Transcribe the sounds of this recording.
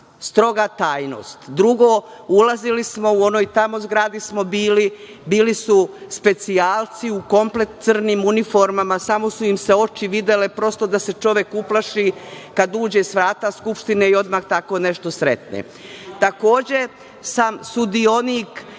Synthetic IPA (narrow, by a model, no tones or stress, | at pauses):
st̪ɾo̞ɡat̪aːjno̰ːst̪d̪ɾuɡo̞ | ulazilismo̞uo̞noːjt̪amo̞zɡɾaːd̪ismo̞biːli | biːlisuspe̞t̪siaːlt̪siuko̞mplet̪t̪sɨr̩niːmunifo̞ɾmamasamo̞suimse̞o̞t͡ʃiʋid̪elepɾo̞st̪o̞d̪ase̞t͡ʃo̞ʋje̞kuplaʃiːkad̪uːd͡ʑesʋɾaːt̪askupʃt̪ineio̞d̪maxt̪ako̞ne̞ʃt̪o̞sɾḛt̪nḛ | t̪ako̞ːd͡ʑe | samsud̪io̞niːk